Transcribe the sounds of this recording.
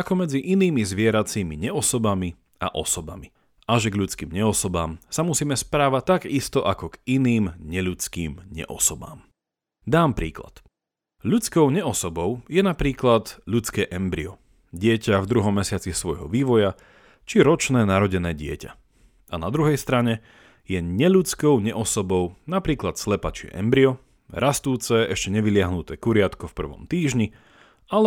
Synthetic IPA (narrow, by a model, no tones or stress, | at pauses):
akɔmɛd͡ziʔiniːmizʋɪɛɾat͡siːmḭɲɛɔsɔbami | a̰ʔɔsɔbami | ʔaʒɛɡʎut͡skḭːmɲɛɔsɔbaːmsamusiːmɛspɾaːʋact̪aɡist̪ɔʔakɔɡiniːmɲɛʎut͡skiːmɲɛ̰ʔɔ̰sɔba̰ːm | d̪aːmpɾiːkla̰t̪ | ʎut͡skɔʊɲɛɔsɔbɔʊjɛnapɾiːklad̪ʎut͡skɛːʔɛmbɾḭɔ | ɟɪɛcavd̪ɾuɦɔmːɛsɪat͡sisʋɔjɦɔʋiːʋɔja | t͡ʃiɾɔt͡ʃnɛːnaɾɔɟɛnɛːɟɪɛca | anad̪ɾuɦɛjst̪ɾaɲɛ | jɛɲɛʎut͡skɔʊɲɛʔɔsɔbɔʊnapɾiːklat̪slɛpat͡ʃɪɛ̰ʔɛ̰mbɾiɔ | ɾʔast̪uːt͡sɛɛʃcɛɲɛʋilɪaɦnut̪ɛːkuɾɪat̪kɔfpr̩ʋɔ̰mt̪iːʒɲi | al